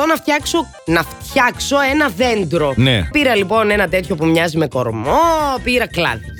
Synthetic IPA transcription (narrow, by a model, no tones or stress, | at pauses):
onɐft̪çɐkso̞ | nɐft̪çɐkso̞e̞nɐðend̪ɾo̞nnḛpiɾɐlipo̞ne̞nɐt̪e̞t̪ço̞pumɲɐzime̞ko̞̰ɾmopiɾɐklɐ̰ði